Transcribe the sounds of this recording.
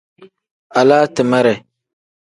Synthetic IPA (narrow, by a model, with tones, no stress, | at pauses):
a˨laː˦tɨ˨ma˦ɾɛ˨